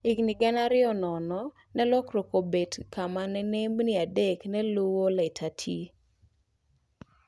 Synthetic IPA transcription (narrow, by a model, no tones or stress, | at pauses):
ɪɡnɪɡɛnaɾɪɔnɔnɔ | nɛlɔkɾokobetkamanɛnembniadeknɛlowolɛtʰatʰi